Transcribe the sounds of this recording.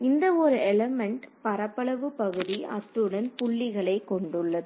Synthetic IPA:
ɪnd̪ɐɔɾɯɛlɐmɛɳʈpɐɾɐpːɐɭɐʋɯpɐɣɯðiɐ̰t̪ːɯɽɐnpʊɭːɪɣɐɭɐɪkːɔɳɖɯɭːɐðɯ

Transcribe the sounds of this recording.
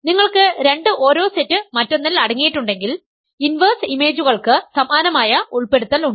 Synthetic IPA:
niŋːɐɭkɨɾe̞ɳɖɨʔoːɾo̞ːsetːɨmɐtːonːɐlɐɽɐŋːijiʈːuɳɖe̞ŋɡil | inʋɐrsime̞ːd͡ʑuɣɐɭkɨsɐmaːnɐmaːjɐuɭpe̞ɽut̪ːɐluɳɖɨ

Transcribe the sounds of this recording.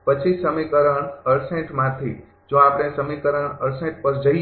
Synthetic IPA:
pət͡ʃʰisəmikəɾəɳəɾsẽʈmãt̪ʰḭ | d͡ʒõapəɽ̃esəmikəɾəɳəɾsẽʈpəɾd͡ʒəi

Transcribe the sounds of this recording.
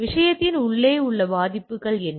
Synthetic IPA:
ʋɪʂɐjɐt̪ːɪnʊɭːeːʊɭːɐbaːðɪpːɯɣɐɭɛn

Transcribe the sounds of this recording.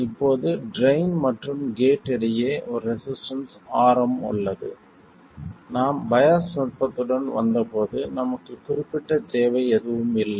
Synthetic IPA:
ɪpːoːðɯɖɾɐɪnmɐʈrɯmɡeːʈːɪɽɐjeːʔɔɾɯɾɛsɪsʈɐnsaːɾɐmʊ̰ɭːɐðɯ̰ | naːmbɐjɐsnɔʈ̚pɐt̪ːɯɽɐnʋɐ̰nd̪ɐpoːðɯnɐmɐkːɯkʊrɪpːɪʈːɐd͡ʒeːʋɐɪɛðɯʋɯmɪlːɐ

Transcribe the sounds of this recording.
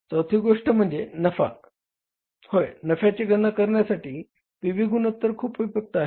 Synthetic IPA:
t͡səwt̪ʰiːɡoʂʈəm̤əɳd͡zenəfa̰ | hojnəfjat͡ɕeɡənakəɾɳjasaʈiː | ʋiʋiɡʱuːnət̪ːəɾkʰuːpʋipjək̚t̪əaɦe

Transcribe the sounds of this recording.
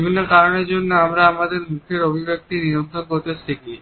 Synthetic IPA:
bʱinːokaɾoneɾd͡ʑonːoamɾaamad̪eɾmukʰeɾobʱibek̚t̪iniɾont̪ʰɾonkot̪et͡ɕt̪ʰeki

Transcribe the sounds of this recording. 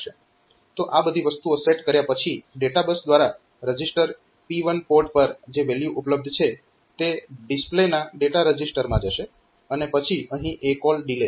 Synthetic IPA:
ʃe | t̪oʔabəd̪ʱiʋəst̪uoseʈkəɾjapət͡ʃʰiɖeʈabəsd̪ʋaɾa | ɾəd͡ʒisʈəɾ | piʋənpoɾʈpəɾd͡ʒeʋeljuʔupləb̚d̪ʱt͡ʃʰe | t̪eɖisplenaɖeʈaɾəd͡ʒisʈəɾmãd͡ʒəʃe | ənepət͡ʃʰiəɦĩʔekɔlɖile

